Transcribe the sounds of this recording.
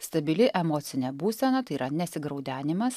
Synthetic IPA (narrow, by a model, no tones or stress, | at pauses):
st̪ɐbʲɪlʲɪʔɛmɔːt̪sʲɪnʲɛbuːsʲɛnɐt̪ɐɪiːɾɐnʲɛsʲɪɡɾɐʊd̪ʲæːnʲɪmɐs